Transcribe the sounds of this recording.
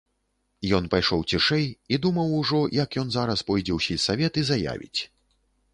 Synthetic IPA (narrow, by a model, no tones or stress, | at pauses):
jɔnpajʂɔwt͡sʲiʂɛjid̪umɐwuʐɔjɐkjɔnzaɾɐspɔjd͡zʲɛwsʲisavʲɛt̪izaja̰vʲḭt͡sʲ